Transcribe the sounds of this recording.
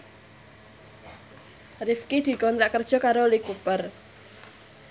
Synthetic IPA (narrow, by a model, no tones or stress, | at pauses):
rɪfkid̪̥i̤kɔnt̪ɾaʔkərd̥ʒ̥ɔ̤kaɾolikupər